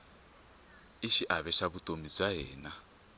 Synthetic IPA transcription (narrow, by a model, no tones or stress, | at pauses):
iʃiʔaβɛʃaβutʼomib͡ʐaɦɛːna